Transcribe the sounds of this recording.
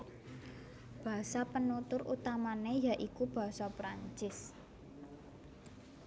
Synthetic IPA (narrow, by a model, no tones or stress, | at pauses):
b̥a̤sapənut̪ʊɾʔṵt̪amanejaʔikub̥a̤ɦsɔpɾaɲt͡ʃɪs